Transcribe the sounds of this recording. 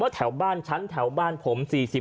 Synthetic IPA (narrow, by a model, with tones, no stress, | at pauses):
mɔ˦˥t̪ʰɛ˩˦wbaː˥˩nt͡ɕʰa˦˥nt̪ʰɛ˩˦wbaː˥˩npʰo˩˦msiː˨˩si˨˩